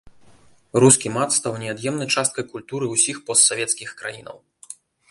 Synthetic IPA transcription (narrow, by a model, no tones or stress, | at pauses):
ruskʲimat̪st̪awnʲɛad̪jɛmnɐjt͡ʂast̪̚kɐjkulʲt̪uɾɨwsʲixpɔst̪savʲɛt̪skʲixkɾa̰jinɐ̰w